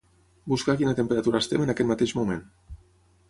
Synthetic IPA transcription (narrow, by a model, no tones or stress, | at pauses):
buskakinat̪əmpəɾat̪uɾast̪emənakɛt̪mat̪eʒmumẽn